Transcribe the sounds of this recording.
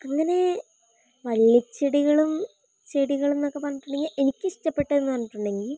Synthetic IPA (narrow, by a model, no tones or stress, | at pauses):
ɐŋːɐne̞ | ʋɐlːɐt͡ɕːeɽiɣɐɭum | t͡ɕeɽiɣɐɭunnokːepɐnːiʈːuɳɖeŋɡile̞nikʲːɨɕi̥ʈɐpːe̞ʈːɐenːuʋɐnːɐʈːuɳɖe̞ŋɡil